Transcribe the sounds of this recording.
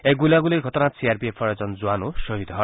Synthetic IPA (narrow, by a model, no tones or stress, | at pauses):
eɡulaɡuleɡʱɔt̪ɔnasiaɾbiepʰɔɾed͡zɔnd͡zuanoʃɔɦid̪ɔɦ